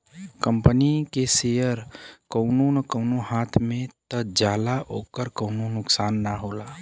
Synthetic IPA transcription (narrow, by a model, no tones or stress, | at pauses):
kəmpənikeseəɾkəʊnonəkəʊnoɦaːt̪ʰmẽt̪əd͡ʒaːlaʔoːkəɾkəʊnonʊksaːnːaɦoːlaː